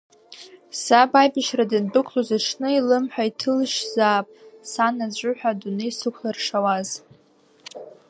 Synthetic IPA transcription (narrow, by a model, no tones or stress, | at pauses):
sabʼajbɪʃradɨndɨkʷʰlozaʈ͡ʂʰnɨilɨmħʷᶣaitʰɨlʃzaːpʼsanad͡ʑʷʼʊħʷᶣadunɨisɨkʷʰlarʂawaz